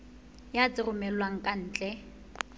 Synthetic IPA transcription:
jat͡sʼɪrʊmɛlwaŋ̩kʼan̩ːt͡ɬʼɛ

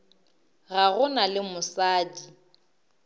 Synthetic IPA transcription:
ɣaɣʊnalɪmʊsaːdi

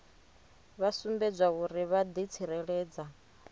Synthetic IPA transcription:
βasumbɛd͡zʷwauɾiβad̪it͡sʰiɾɛɺɛːd͡za

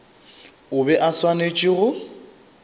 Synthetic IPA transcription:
ʊbɛʔaswanet͡ʃʼiɣʊ

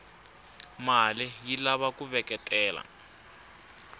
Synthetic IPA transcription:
malijilaβakuβɛkʼɛtʼɛːla̰

